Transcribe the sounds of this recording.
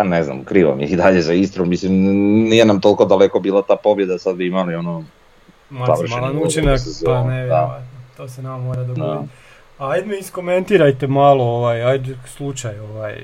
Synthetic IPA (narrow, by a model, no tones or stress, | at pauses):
anezna̰mkɾiːʋa̰mjiid̪aʎezaist̪ɾomislimnije̞namt̪o̞lˠkod̪aleko̞biːlˠat̪aːpo̞bje̞d̪asad̪biimalio̞no | mazaʋr̩ʃmaelanut͡ʃenakpaneʋʋat̪not̪oːsenamamoːɾad̪oɡ̪ai | ajd̪meisko̞me̞nt̪iɾajt̪emaːlˠooʋajajd̪slˠut͡ʃajo̞ʋaj